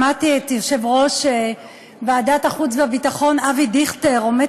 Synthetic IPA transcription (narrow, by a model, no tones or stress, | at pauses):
matiet̪joʃevʁo̞ʃe | baːdataχut͡sveavitaχo̞navidiχteʁome